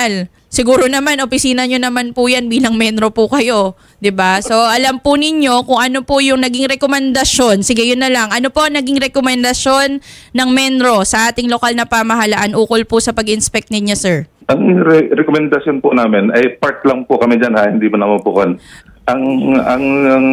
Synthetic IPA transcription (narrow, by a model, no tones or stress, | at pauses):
l | sɪɡuːɾo̞nɐmanʔopɪsiːnɐɲonɐmanpʊjanbiːlɐŋmɛnd̪ɾo̞pʊkɐjo̞ | d̪ɪbaso̞ʔɐlampʊnɪɲːo̞kʊŋʔɐno̞pʊjʊŋnɐɡɪŋɾɛkomɛnd̪ɐso̞nsɪɡɛjʊnːɐlaŋʔɐno̞po̞ʔɐŋnɐɡɪŋɾɛkomɛnd̪ɐsjo̞nːɐŋmɛnɾo̞sɐʔaːt̪ɪŋlo̞kalnɐpamɐɦɐlaʔanʔuːkolpʊsɐpɐɡɪnspɛk̚t̪̚nɪɲo̞sɛɹʔɐŋɾɛɾɛkomɛnd̪ɐsjonpʊnaːmɪnʔɐjpaɹt̪̚lɐŋpʊkɐmid͡ʒanahɪnd̪iːmɐnɐmɐnpʊkon | ʔɐŋɐŋɐŋ